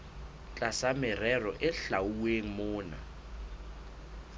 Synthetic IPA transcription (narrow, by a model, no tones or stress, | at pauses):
t͡ɬʼasamɪrɛrɔʔɪɬauweŋ̩mʊːna̰